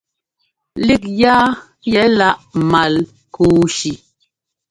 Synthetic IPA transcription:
li˦k̚jaː˦ | jɛ˨˦la˦˨ʔma˨l | kuː˨˦ʃi˨

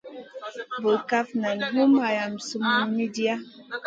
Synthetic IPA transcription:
bo˨lka˦fna˨nɦu˦ma˨ja˨msu˦ma˦mi˦di˦a˦

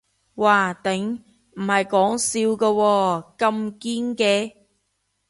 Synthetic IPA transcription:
waː˨˧˩t̪ɪ˨˥ŋ | m̩˨˩hɐ˨jkɔː˨˥ŋsiː˧wkɐː˧wɔː˧kɐ˧mkiː˥nkɛː˧

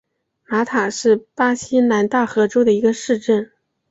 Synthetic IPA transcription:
ma˧˥t̪ʰa˨˩ʂɻ̩˥˩pa˥ɕi˥na˧˥nt̪a˥˩xɤ˧˥ʈ͡ʂo˥ʊd̪ə˨i˧˥ɡə˧ʂɻ̩˥˧ʈ͡ʂə˥˩n

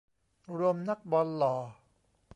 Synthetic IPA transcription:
ɾu˧əmna˦˥k̚bɔː˧nlɔː˩˦

